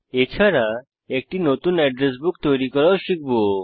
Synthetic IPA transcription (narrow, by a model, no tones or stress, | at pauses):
et͡ɕʰaɾa | ek̚ʈiːnot̪uːnɛɖɾes̬bukt̪oɾikəɾaɕik̚bo